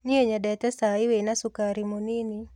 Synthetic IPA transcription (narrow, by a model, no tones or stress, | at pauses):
nieɲadɛtɛsaɪwenasukaɾimonini